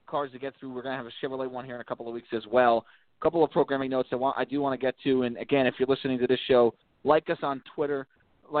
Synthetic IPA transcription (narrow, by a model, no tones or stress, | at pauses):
kʰɑɹzðɨt̚ɡ̥ɛt̪θɹʉwɪɹɡʌnɨːvɨʃɪvə˞leɪwʌ̃nhiɹɨ̃nɨkʰʌpl̩ˠʌvwiksɛzwɛlˠ | əkʰʌpl̩ˠʌvpʰɹ̥oʊɡɹæ̃mɪ̃ŋnoʊtsaɪwɑ̃nʔa̰ɪdɨwɑ̃ɾ̃ɨɡɛtʰʉɨ̃nɨɡɛ̃nɨfjə˞lɪsnɪ̃ŋtɨðɪsʃoʊ | laɪkʌsn̩tʰw̥ɪɾə˞ | laɪ